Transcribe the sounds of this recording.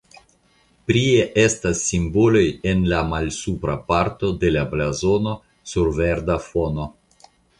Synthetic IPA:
pɾieʔe̞stasːimbo̞lo̞je̞nlamalsupɾapaɾto̞de̞lablazo̞no̞ | suɾve̞ɾdafo̞no̞

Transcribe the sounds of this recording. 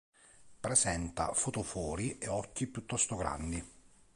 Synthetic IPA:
pɾezɛnt̪a̰fot̪ofɔːɾieɔkːipjut̪ːɔst̪oɡɾa̰nd̪i

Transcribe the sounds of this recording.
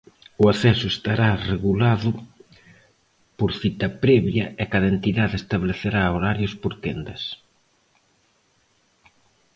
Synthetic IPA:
ʊaθɛsʊest̪aɾareɣulaðʊ | poɾθit̪ɐpɾɛβjɐɛkaðɐent̪iðaðest̪aβleθeɾaoɾaɾjʊspoɾt̪end̪ɐs

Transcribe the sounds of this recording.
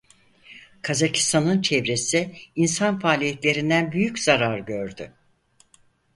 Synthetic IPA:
kʰazacʰi̥st̪ʰanɯnt͡ʃʰɛvɾe̞siinsanfaːlʲijet̪lʲe̞ɾind̪ænbyjycz̥aɾaɾɟøɾd̪ʏ

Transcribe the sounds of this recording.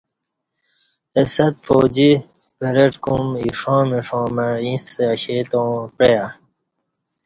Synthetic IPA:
esɐt̪̚foːd͡ʑi | beɾeʈkumiʂõːmiʂõːmeɾĩseɐɕet̪õːpɾeja

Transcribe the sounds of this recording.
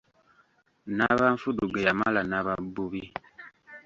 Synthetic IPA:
naβanfuduɡejamalanaβabuβi

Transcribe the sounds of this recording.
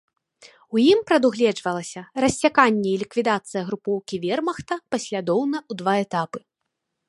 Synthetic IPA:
ujimpɾɐd̪uɣlʲɛd͡ʐvɐlˠɐsʲɐrɐsʲt͡sʲakanʲːɛilʲikvʲid̪at̪sɨjɐɣɾupɔwkʲivʲɛrmɐxt̪ɐpɐsʲlʲad̪ɔwnɐud̪vaɛt̪apɨ

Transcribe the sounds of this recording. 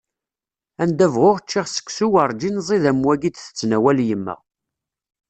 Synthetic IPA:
ænd̪ævʁoʁt͡ʃːiʁsə̥kːsuwəɾˤd͡ʒinzˤiðæmwæɡid̪θə̥t͡sːnæwæljəmːə̰ʁ

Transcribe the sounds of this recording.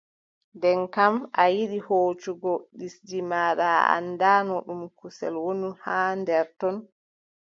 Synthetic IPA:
ndɛnkamʔajiɗihoːt͡ʃuɡɔɗisd͡ʒimaːɗaa̰nːdaːnɔɗumkusɛ̰lwonuhaːndɛɾtɔn

